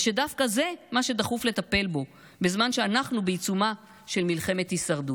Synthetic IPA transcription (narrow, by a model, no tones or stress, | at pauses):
ʃedafkaze̞maʃe̞d̪aχufle̞t̪ape̞lbo̞ | bezmanʃe̞anaχnubeit͡suma | ʃe̞lmilχe̞me̞t̪hisaʁdu